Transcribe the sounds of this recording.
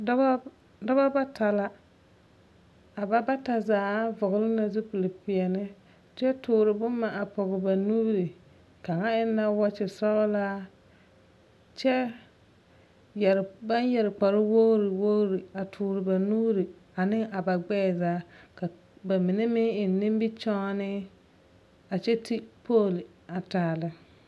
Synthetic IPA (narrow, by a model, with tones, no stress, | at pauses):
dɔ˦ba˦ba˦tʰa˨la˦ | a˨ba˦ba˦ta˨zaː˨˦vʊ˨ɣlɪ˦na˨zɪ˦pu˨lɪ˨pɪ˨ɛ˨nɪ˦ | t͡ʃɛ˦tʰʊː˨ɾɪ˨bʊ˦mːa˨ʔa˨pɔ˨ɣɪ˨ba˨nu˦bɾi˨ | ka˨ŋa˦ɪ˦nːa˦wa˦t͡ʃɪ˨sɔ˦laː˦ | t͡ʃɛ˦ | jɛ˨ɾba˦njɛ˨ɾɪ˨k͡pa˨ɾɪ˦wo˦ɾɪ˨wo˦ɾi˨a˨tʰʊː˨ɾɪ˨ba˨nu˦ɾi˨a˨nɪ˦a˨ba˨ɡ͡bɛː˦˨zaː˦ka˨ | ba˨mɪ˨nɛ˦mɪ˦ɪ˨nː˨ɪ˦m˦bɪ˦t͡ʃɔ˦nɪ˦ | a˨t͡ʃɛ˦tʰi˦pʰoː˦˨l | a˨taː˨lɪ˦